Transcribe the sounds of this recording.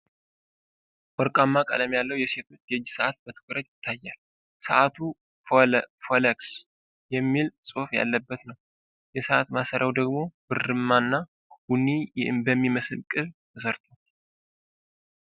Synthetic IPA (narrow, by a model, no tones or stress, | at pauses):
wɔɾkʼamːakʼə̰ləmjalːəwjɛse̞t̪ʰo̞t͡ʃːjɛd͡ʒːsəʔat̪̚bət̪ʰɨ̥kʰʼɨɾət̪jɪt̪ʰːajːal | səʔat̪ʰu | folɛks | jɛmːilsʼo̞fja̰lːəbːət̪nəw | jɛsəʔat̪masəɾʔawd̪əɡmo̞b̥ɨrːɨmːanːa | wunibəmːiməsɨlkʼɨlt̪ʰəsəɾt̪ʰo